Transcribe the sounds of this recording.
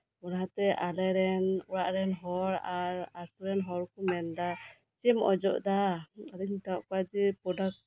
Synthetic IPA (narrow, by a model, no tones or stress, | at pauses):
ɔnaɦat̪ɛʔalɛɾɛnuɾaʔɾɛnɦɔɾaɾasuɾɛnɦɔɾkɔmɛnd̪a | t͡ʃɛmɔ̰d͡ʒɔ̰ʔd̪aaliɲt̪aʔkad͡ʒipɔdak̚